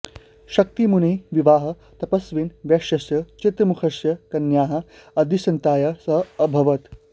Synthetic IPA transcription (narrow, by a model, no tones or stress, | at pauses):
ʃɐk̚t̪imuneːʋiʋaːɦɐ̆ | t̪ɐpɐsʋiːnʋjɐkʃjɐsjɐt͡ʃit̪ɾɐmukʰɐsjɐkɐnjaːɦɐ | ɐd̪ʱisɐnt̪aːjɐsɐːbʱɐʋɐt̪